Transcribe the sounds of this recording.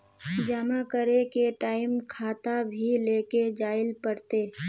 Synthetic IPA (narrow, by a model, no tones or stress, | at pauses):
d͡ʒaːmakəɾekeʈaːɪmkʰaːt̪abʱileːked͡ʒaːɪlpəɽt̪eː